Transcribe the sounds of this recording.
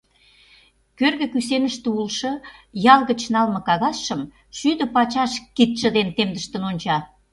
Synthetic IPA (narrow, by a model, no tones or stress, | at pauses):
kørɣə̆kysenəʃt̪eulʃɤ̆jɑlˠɣə̆t͡ɕnɑlmɤ̆kɑɣɑsʃə̆m | ʃyd̪ə̆pɑt͡ɕɑʃkit̪ʒə̆d̪ent̪emd̪əʃt̪ə̆nonʲt͡ɕɑ